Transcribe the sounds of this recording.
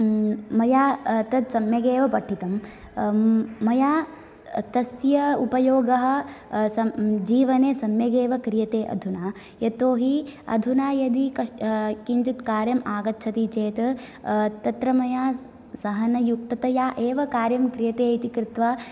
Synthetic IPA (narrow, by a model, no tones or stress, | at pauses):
mɐjaːt̪ɐt̪sɐmjɐɡeːʋɐpɐʈʰːit̪ɐm | mɐjaː | t̪ɐsjɐupɐjoːɡɐɦɐ̆sɐd͡ʒiːʋɐneːsɐmjɐɡeːʋɐkɾijɐt̪eːʔɐ̰d̪ʱunaː | jɐt̪oːɦiɐ̰d̪ʱunaːjɐd̪ikɐkiɲt͡ʃit̪kaːɾjɐmaːɡɐt̪̚t͡ʃʰɐt̪it͡ʃeːt̪ | t̪ɐt̪ɾɐmɐjaː | sɐɦɐnɐjuk̚t̪ɐt̪ɐjaːʔeːʋɐkaːɾjɐmkɾijɐt̪eːit̪ikɾɪt̪ʋaː